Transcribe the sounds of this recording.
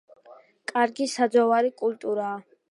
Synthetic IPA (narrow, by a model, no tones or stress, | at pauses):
kʼaɾɡisad̪zɔvaɾikʼult̪ʼuɾaː